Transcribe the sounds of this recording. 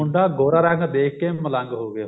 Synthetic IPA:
ʊɳɖaːɡoːɾaːɾɛŋɡd̪eːkʰkeːməlaŋɡɦoːɡe

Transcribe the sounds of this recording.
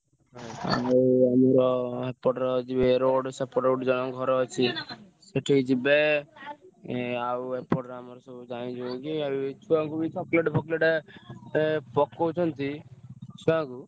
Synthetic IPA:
aamɔɾɔɦepɔɖɾɔd͡ʒibeɾoɖsepɔɾoɖd͡ʒɔɽ̃ɔɡʱɔɾɔːt͡ʃʰi | seʈʰid͡ʒibe | awepɔɖɾamɔɾɔsɔbud͡ʒaĩd͡ʒɔ̃kiait͡ʃʰuãkubit͡ʃʰɔkleɖɛpʰɔkleɖe | pɔkːɔt͡ʃʰɔnt̪it͡ʃʰuãŋku

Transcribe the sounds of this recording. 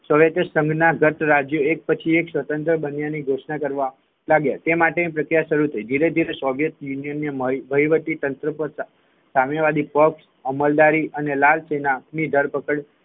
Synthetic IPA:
soʋjət̪əsəŋɡʱnaɡət̪ɾad͡ʒjoek̚pət͡ʃʰieksʋət̪ənt̪ɾəbənjaniɡʱoʃnakəɾʋa | laɡjat̪emaʈenipɾəkɾijaʃəɾut̪ʰəid̪ʱiɾed̪ʱiɾesoʋjət̪junijənːeʋʱəɦiʋəʈit̪ənt̪ɾəpəɾ | sameʋad̪ipəks | əməld̪aɾiʔənelalsenanid̪ʱəɾpəkəɽ

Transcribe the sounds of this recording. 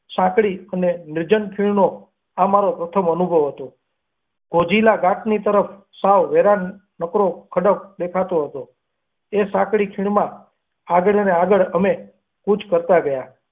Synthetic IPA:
sãkɽiənenɪɾd͡ʒənkʰiɭno | amaɾopɾət̪ʰəmənubʱəʋɦət̪o | ɡ̥ʱod͡ʒilaɡãʈʰnit̪əɾəf | saʋʋeɾanː | əkɾokʰəɖək̚d̪ekʰat̪oɦət̪o | esãkɭikʰiɭmã | aɡəɽəneaɡəɭəme | kut͡ʃʰkəɾt̪aɡəja

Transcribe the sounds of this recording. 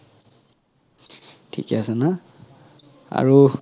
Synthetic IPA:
tʰḭkɛasɛna | a̰ɹu

